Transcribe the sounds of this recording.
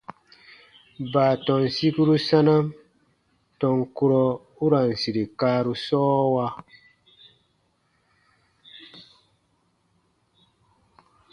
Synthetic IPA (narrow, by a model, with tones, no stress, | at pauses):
baː˨tɔ˨nsi˦ku˦ɾu˦sa˦na˦m | tɔ˨ŋku˦ɾɔ˦ | u˦ɾa˨n˨si˨ɾi˨kaː˦ɾu˦sɔː˦wa˧